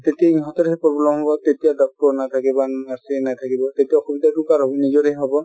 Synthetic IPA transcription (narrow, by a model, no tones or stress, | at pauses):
tetiaiŋɦɔtɔɾɦɛpɹɔblɔmɦɔbɔtetijadɔk̚tɔɹnat̪ʰakibanasɛnatʰakibɔtetiaɔxɔbitatukaɹɔbinizɔɾɛɦɔbɔ